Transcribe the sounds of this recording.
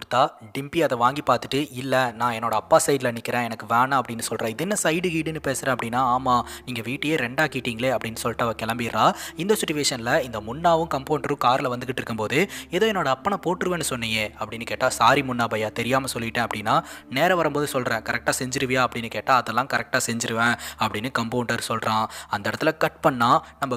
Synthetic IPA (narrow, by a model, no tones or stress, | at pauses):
ʊɾɯt̪ːaːɖɪmpiɐðɐʋaːŋɡipaːɾt̪ɯʈːɯɪlːɐnãːɛnːoːɽɐɐpːaːsɐɪɖlɐnɪkːɪɾẽːɛnɐkːɯʋaːnãɐpːɐɽɪnːɯsɔlrɾẽːɪðɛnːɐsɐɪɖɯɡiːɽɯnːɯpeːsɪɾɛ̃ːɐpːɐɽɪnːaːaːmaːniːŋɡɐʋiːʈːɯjeːɾɛɳɖaːkiːʈːiːŋɡɐleːɐpːɐɽɪnːɯsɔlːɪʈːɐʋɐkɛɭɐmbɪɾɾãːɪnd̪ɐsʊʈːʊʋeːʂɐnɪlɐɪnd̪ɐmʊnːaːʋɯ̃kɐmpoːɳʈɾɯ̃kaːɾlɐʋɐnd̪ɯkːɪʈːɪɾɯkːɯmpoːðɯɛðoːɛnːoːɽɐːpːɐɳɐpoːʈːɯɾɯʋẽːnːɯsɔnːɪŋɡeːɐpːɐɽɪnːɯkeːʈːaːsaːɾimʊnːaːbɐjaːt̪ɛɾɪjaːmɐsɔlːɪɪʈːẽːɐpːɐɽɪnːaːneːɾɐʋɐɾɐmpoːðɯsɔlɾɛ̃ːkɐɾɛk̚ʈaːsɛɲd͡ʒɪɾɯʋɐjaːɐpːɐɽɪnːɯkeːʈːaːɐðɐlːãːkɐɾɛk̚ʈaːsɛɲd͡ʒɪɾɯʋẽːɐpːɐɽɪnːɯkɐmpoʊɳɖɐɾsɔlɾãːɐnd̪ɐɛɽɐt̪ːɪlɐkɐʈ̚pɐɳːaːnɐmbɐ